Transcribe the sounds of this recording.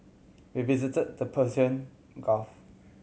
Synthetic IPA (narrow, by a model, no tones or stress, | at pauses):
wivizitəd̚dəpʰəsiə̃n | ɡɔf